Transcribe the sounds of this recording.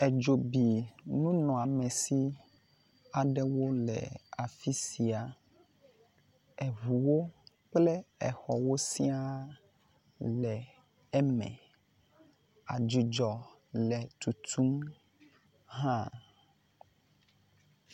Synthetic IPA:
ɛ˨d͡ʒo˨bi˨nũ˦nɔ̃˨a˨mɛ̃˨si˦ | a˨ɖɛ˦wo˦lɛ̰˨a˨fi˦si˨a˨ | ɛ˨ɦu˨wo˦ | k͡plɛ˦ɛ˨xɔ˨wo˦si˦a˦ | lɛ˨ | ɛ˦mɛ̰̃˨ | a˨d͡ʒu˨d͡ʒɔ˨ | lɛ˨t̪u˨t̪ʰu˦m | ɦã˦

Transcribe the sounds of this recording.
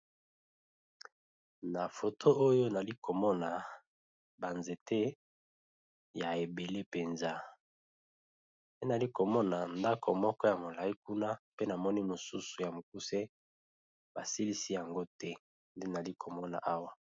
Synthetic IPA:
na˨fo˨tʰo˦o˦jo˦na˨li˦kʰo˨mɔ˦na˨ | ba˨nze˨te˦ | ja˨e˨be˨le˦pe˨nza˦ | nde˦na˨li˦ko˨mɔ˦na˨nda˦kʰo˨mɔ˦kɔ˦ja˨mo˨la˨i˦ku˦na˦pe˦na˨mɔ˦ni˦mo˨su˦su˨ja˨mo˨k̚u˦se˦ | ba˨si˦li˦si˦ja˨ŋɡo˦tɛ˦ | nde˦na˨li˦kʰo˨mɔ˦na̰˨ʔa˦wa˦

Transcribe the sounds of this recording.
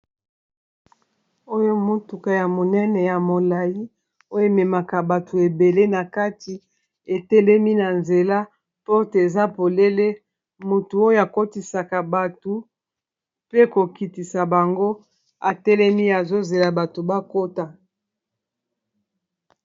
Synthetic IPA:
o˦jo˦mo˦tu˨ka˨ja˨mo˨nɛ˦nɛ˨ja˨mo˨la˨ji˦ | o˦jo˦e˦˨me˨ma˨ka˨ba˨tʰu˨e˨be˨le˦na˨ka˦ti˨ | e˨tɛ˦lɛ˦mi˦na˨nze˨la˦ | po˦te˨za˦po˨le˦le˦ | mo˨tu˨o˦jo˦a˨ko˦ti˨sa˨ka˨ba˨tu˨ | pe˦ko˨ki˨ti˨sa˨ba˨ŋɡo˦ | a˨tɛ˦lɛ˦mi˦a˨zo˦ze˨la˨ba˨to˨ba˦ko˦ta˨

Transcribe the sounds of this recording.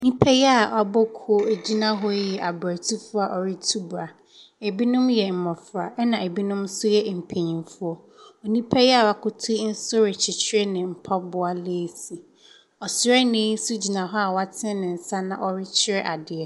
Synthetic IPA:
nĩ˦pʰɛ˦jɛ˦a˨ʔɔ˨bɔ˦kʰu˦o˦e˨d͡ʑi˦nã˦ɦɔ˦jɛ˨ʔa˨ba˨tʰi˦fʊ˦a˨ʔɔ˨ɾɪ˦tʰu˦bʊ˨a˨ | e˨bi˦nʊ̃˦mjɛ˨m̩˨mɔ̃˨fʊ˨a˨ʔɛ˦nã˨e˨bi˦nʊ̃˦msʊ˦jɛ˦m̩˨pʰe˨ɲĩ˨mfʊ˦ɔ˦ | ɔ˨nĩ˦pʰɛ˦jɛ˦a˨wa˨kʰʊ˦tʰʊ˦n̩˦sʊ˦ɾɪ˨t͡ɕʰɪ˨t͡ɕʰɪ˦ɾɛ˦nɪ̃˨m̩˨pʰa˦bʊ˦a˨leː˦si˨ | ɔ˨sɾɛ˦nẽ˨˦n̩˦sʊ˦d͡ʑi˨nã˨ɦɔ˦a˨wa˦tʰɪ̃˦nɪ̃˨n̩˨sa˦nã̰˨ʔɔ˨ɾɪ˦t͡ɕʰɪ˦ɾɛ˦ʔa˨dɪ˨ɛ˨

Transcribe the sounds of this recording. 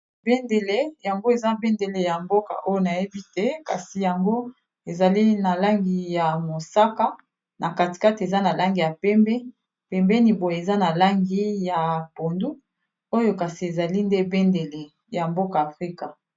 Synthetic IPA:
be˦nde˨le˦ja˨ŋɡo˦e˨za˦be˦nde˨le˨ja˨mbo˦ka̰˨ʔo˦jo˦˨na˨je˦bi˦tɛ˦ka̰˨si˨ja˨ŋɡo˦ | e˨za˨li˦na˨la˦ŋɡi˨ja˨mo˨sa˦ka˦ | nʔa˨ka˨ti̥˨ka˦ti˨e˨za˦na˨la˦ŋɡi˨ja˨pɛ˦mbɛ˦ | pɛ˨mbɛ˦ni˨bo˨je˨za˦na˨la˦ŋɡi˦ja˨po˨ndu˦ | o˦jo˦ka˨si˨e˨za˨li˦nde˦be˦nde˨le˨ | ja˨mbo˦kaː˨fʁi˦ka˨

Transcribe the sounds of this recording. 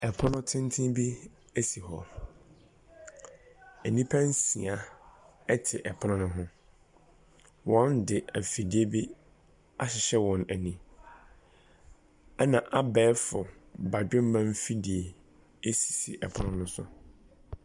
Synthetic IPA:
ɛ˨pʰʊ˦nʊ̃˦tʰɪ̃˦n˦tʰɪ̃˦bi˦ | æ˦si˨ɦɔ˨ | æ˨nĩ˦pʰã˦n˦sĩ˨a˨ɛ˦tʰɪ˨ʔɛ˨pʰʊ˦nʊ̃˦nʊ̃˦ɦʊ̃˦ | wɔ̃˦ndɪ˨æ˨fi˨di˦e˦bi˦ | a˦ɕɪ˨ɕɛ˦wɔ̃˨næ˨nĩ˦ | ɛ˦nã˨ʔa˦bɛː˦fʊ˨ba˨d͡ʑᶣʊ̃˦m˦mã˦m˦fi˦di˨e˨ | e˦si̥˨sḭ˨ʔɛ˨pʰʊ˦nʊ̃˦nʊ̃˦sʊ̰˨

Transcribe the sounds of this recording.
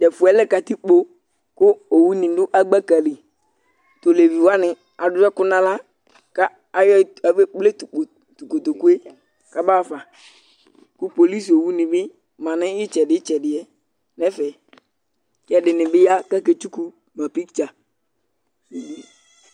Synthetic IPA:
tɛ˨fʊ˨ɛ˨˦lɛ˦ka˨t̪i˦k͡po˦ | kʊ˦o˨wu˦nĩ˨dʊ˦ʔa˦ɡ͡ba˦ka˨li˨ | t̪o˨le˨vi˨wa˦nɪ̃˨ | a˨dʊ˦ɾɛ˦kʊ˦nã˦la˦ | ka˦ | a˨jɔ˦a˨ve˦k͡ple˦tk͡p | tu˨ko˨t̪o˨ku˦e˦ | ka˦baː˦˨fa˨ | kʊ˦po˨li˦so˨wu˦nĩ˨bɪ˦ | mã˨nɪ̃˦ɪ˦t͡ʃɛ˨dɪ˦t͡ʃɛ˨dɪ˨ɛ˨ | nɛ˦fɛ˨ | kɛ˨dɪ˨nɪ̃˨bɪ˦ja˦ka˦ke˨t͡ʃu˦ku˦ | mã˨pi˦kt͡ʃa˨ | e˨i˦

